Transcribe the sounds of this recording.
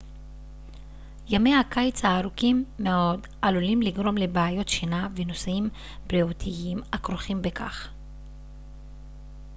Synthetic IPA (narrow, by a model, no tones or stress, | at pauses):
jame̞jhakajt͡shaːɾukimːeo̞d | ʔalulimliɡʁo̞mlebaajo̞tʃinavenosaim | b̥liotʰiimakʁoχimbekʰa̰χ